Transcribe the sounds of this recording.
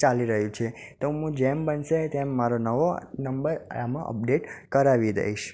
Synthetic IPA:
t͡ʃaliɾəɦjũt͡ʃʰet̪oɦũd͡ʒembənʃet̪emːaɾonəʋonəmbəɾamã̰ʔə̰p̚ɖeʈkəɾaʋid̪ə̰ɦiʃ

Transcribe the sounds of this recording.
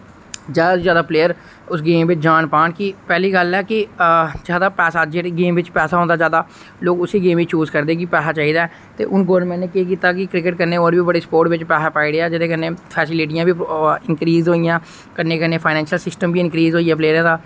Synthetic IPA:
d͡ʒaːd̪ad͡ʒjaːd̪aːpleːəɾ | ʊsɡeːmʋɪt͡ʃd͡ʒaːnpaːɳkɪpɛːliːɡəlɛːkɪd͡ʒjaːd̪aːpɛːsaːd͡ʒeɡeːmʋɪt͡ʃpɛːsaːɦõːnd̪aːd͡ʒjaːd̪aː | loːkʊsiːɡeːmʋɪt͡ʃuːzkəɾd̪eːk̬ɪpɛːsaːt͡ʃaːɦiːd̪aːɛː | t̪ḛːʔʊnɡoːmɛ̃ːnneːkeːk̬iːt̪aːkɪkɾɪkəʈ̚kəɾneːoːnbiːbəɽeːspoːɾʈʋɪt͡ʃpɛːsaːpaːiːɾeaːd͡ʒɪd̪eːkənːẽːpʰɛːsɪliːʈɪjãːbiːɪnkɾiːzɦoːijãː | kənːeːkənːeːpʰaːɪnɛ̃ːnʃəlsɪsʈəmbiːɪnkɾiːzɦoːiːaːpleːɾɛ̃ːd̪aː

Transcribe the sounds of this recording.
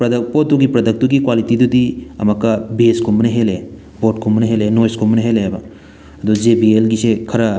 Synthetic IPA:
pɾɐdkpɔtːuɡipɾɐd̪ɐk̚t̪uɡikwalitid̪ud̪iɐ̰mɐkːɐbeskʰumɐnɐɦele | bot̚kʰumːɐnɐɦelenojskʰumneɦelebɐ | ɐd̪ud͡ʒebielɡisekʰɐɾɐ

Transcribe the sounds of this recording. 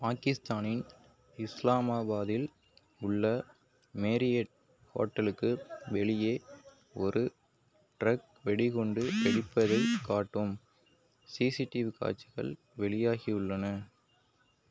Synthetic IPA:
paːkɪst̪aːnɪn | ɪslaːmaːbaːðɪl | ʊɭːɐ | meːɾɪjɐʈ | ho̰ːʈːɐlɯkːɯʋɛɭɪjeː | ɔɾɯ | ʈɾɐk | ʋɛɽɪkɔɳɖɯʔɛɽɪpːɐðɐɪkːaːʈːɯm | siːsiʈːɪʋka̰ːt͡ʃːɪɣɐ̰ɭ | ʋɛɭɪjaːɣiʊɭːɐnɐ

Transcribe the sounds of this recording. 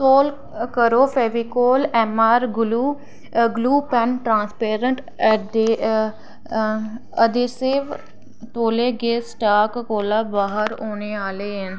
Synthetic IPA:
soːl | kəɾoːpʰeːʋiːkoːlɛːmaːɾɡʊluː | ɡluːpɛnʈɾãːnspeːɾəɳʈ | de | əd̪eːseːʋ | t̪oːleːɡeːsʈaːkkoːlaːbaːɦəɾoːneːaːleːɦən

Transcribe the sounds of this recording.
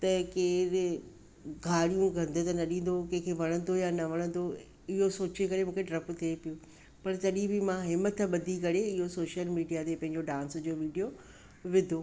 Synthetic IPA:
t̪ɐkeːɾ | ɡʱaːɽijũɡʱɐ̃nd̪ʱət̪ɐnɐɗĩːn̆d̪okɐ̃ɦɪ̃kʰeʋɐɽ̃ə̃nd̪ojanɐʋɐɽ̃ə̃nd̪o | ɪɦosoːt͡ɕekɐɾemũːkʰeɖɾɐpt̪ʰiepiju | pɐɾt̪ɐɗĩbɪmãɦɪmət̪ɓɐd̪ʱikɐɾeɪɦosoːʃəlmiːɖijat̪epɐ̃ɦɪ̃ɲ̆d͡ʑoɖãːnsd͡ʑoːʋiːɖijo | ʋɪd̪ʱoː

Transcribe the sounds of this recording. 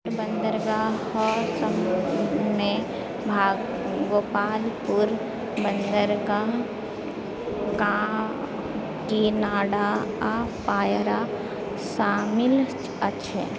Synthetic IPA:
bə̃nd̪əɾɡahɔːsəm | me | bʱaː | ɡoːpaːlpuɾ | bə̃nd̪əɾɡa | ɡã | kinaːɽaapaːjɾa | ʃaːmɪlt͡ʃ | əʃʰə̰

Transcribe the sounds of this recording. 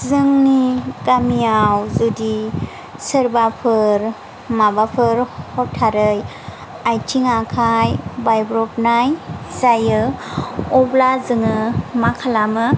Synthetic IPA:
zɯŋniɡamijawzudi | sɯɾbapʰɯɾ | mabapʰɯɾhɔtʰaɾɯj | ajtʰiŋakʰajbajbɾɔpnajzajɯ | ɔblazɯŋɯmakʰalamɯ

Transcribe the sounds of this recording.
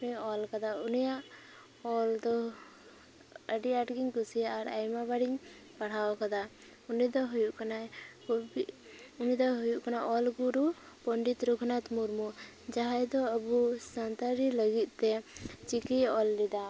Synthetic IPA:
ɛɔlkad̪aunijaʔ | ɔld̪ɔ | əɖiaʈɡiɲkusijaʔaɾajmabaɽiɲ | paɽ̤awkad̪a | unid̪ɔɦujuʔkanaj | i | unid̪ɔɦujuʔkanaʔɔlɡuɾu | pɔɳɖit̪ɾukʰnat̪muɾmu | d͡ʒaɦajd̪ɔəbusant̪aɾiləɡit̪̚ˀt̪ɛt͡ʃikiɔlːid̪a

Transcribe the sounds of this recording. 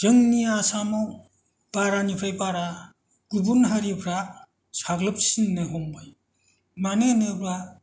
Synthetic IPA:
d͡ʒɯŋniasamɔw | baɾanipʰɾajpaɾa | ɡ̥ubunɦaɾipʰɾa | saɡlɯp̚sinːɯɦɔmbɯj | manenɯbɾa

